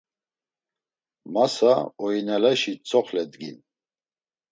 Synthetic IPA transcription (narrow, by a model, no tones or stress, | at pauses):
masaɔinalaʃit͡sʼɔχlɛd̪ɡḭn